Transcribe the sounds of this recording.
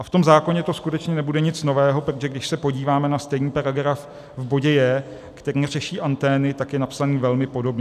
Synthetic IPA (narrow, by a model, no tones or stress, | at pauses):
ʔaft̪o̞mzaːko̞ɲɛt̪o̞skut̪ɛt͡ʃɲɛnɛbudɛɲɪt͡sno̞vɛːɦo̞pɾoʒɛɡdɪʃsɛpo̞ɟiːvaːmɛnast̪ɛjɲiːpaɾaɡɾaf | vbo̞ɟɛjɛ | kt̪ɛɾiːrɛʃiːʔant̪ɛːnɪt̪akjɛnapsaniːvɛlmɪpo̞do̞bɲɛ